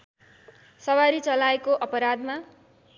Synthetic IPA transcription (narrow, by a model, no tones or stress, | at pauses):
sʌwaɾit͡sʌlaekoʔʌpʌɾad̪ma